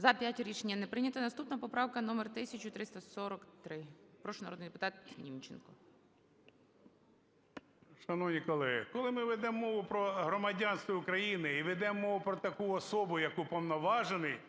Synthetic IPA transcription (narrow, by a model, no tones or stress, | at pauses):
zɐpʲjatʲɾʲit͡ʃenʲːɐnɛpɾɪnʲɐt̪ɐnɐst̪upnɐpɔpɾɑwkɐnɔmert̪ɪsʲɐt͡ʃʲʊt̪ɾɪst̪ɐsɔɾɔkt̪ɾɪpɾɔʃʊnɐɾɔd̪nɪjd̪epʊ̥t̪ɑt̪nʲimt͡ʃḛnkɔ | ʃɐnɔwnʲikɔlˠɛɦɪ̰kɔlˠɪmɪʋɛd̪ɛmːɔʋʊpɾɔɦɾɔmɐdʲɑnst̪ʋɔʊkɾɐjinɪiʋɛd̪ɛmːɔʋʊpɾɔt̪ɐkuɔsɔbʊjɐkupɔwnɔʋɑʒenɪj